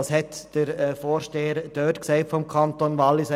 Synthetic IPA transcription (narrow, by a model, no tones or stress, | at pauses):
shɛtd̥əɾɛfoːɾʃteːəɾd̥øːtksɛɪtfɔmkʰɑntonʋɑlːɪs